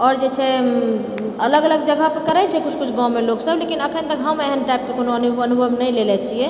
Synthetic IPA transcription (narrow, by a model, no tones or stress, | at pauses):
ɔːɾd͡ʒɛt͡ʃʰɛ | ələɡələɡ̚d͡ʒəɡʱapəkəɾɛt͡ʃʰɛkut͡ʃʰkut͡ʃʰɡãwmeloɡsəblekinəkʰənt̪əkɦameeɦənʈajp̚kekonoənubənubʱəʋnəilelɛt͡ʃʰijɛ